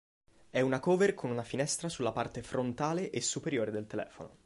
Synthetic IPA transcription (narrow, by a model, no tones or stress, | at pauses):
ɛunakoːverkʰonunafinɛst̪ɾasulːapart̪efɾont̪aːleʔesːupeɾjoːɾed̪elt̪elɛ̰ːfono̰